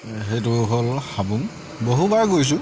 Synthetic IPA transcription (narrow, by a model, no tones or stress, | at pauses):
ɦetʊɦolxabuŋ | boɦubaɹɡojs̬ʊ̃